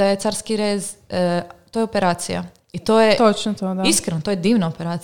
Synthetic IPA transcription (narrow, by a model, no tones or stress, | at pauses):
ajet̪saːɾskiɾez | t̪oːjeopeɾaːt̪sija̰ | it̪oːjet̪ot͡ʃnot̪od̪aiskɾenot̪ojed̪iːʋnaopeɾaːt̪